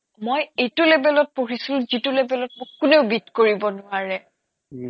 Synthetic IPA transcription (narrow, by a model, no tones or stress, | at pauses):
mojejtʊlebɛlɔt̚poɹisilzitulebɛlɔt̚mokkʊneʊbitkoɹibɔnʊwaɹɛ